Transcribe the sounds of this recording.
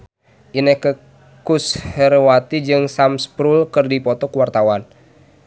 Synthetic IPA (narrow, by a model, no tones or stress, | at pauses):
ʔinɛkə | kushərwat̪id͡ʒɨŋsamspɾulkɨrdipɔt̪ɔkəwart̪awan